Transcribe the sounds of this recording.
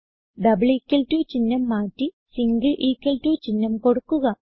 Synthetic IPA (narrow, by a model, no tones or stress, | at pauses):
ɖɐbɨɭiːkːɐltuːt͡ɕinːɐmːaːtːi | siŋɡɐɭʔiːkːɐltuːt͡ɕinːɐmko̞ɽukːuɣɐ